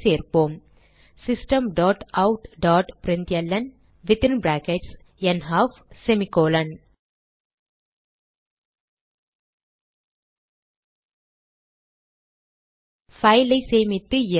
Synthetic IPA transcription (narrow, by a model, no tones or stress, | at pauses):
seːɾpoːm | sɪsʈɐmɖaːʈɐʊʈɖaːʈpɾɪnt̪jɐlːɐn | ʋɪt̪ɪnbɾaːkɛʈs | ɛnɦaːf | sɛmɪkoːlɐn | fɐɪlɐɪseːmɪt̪ːɯɪ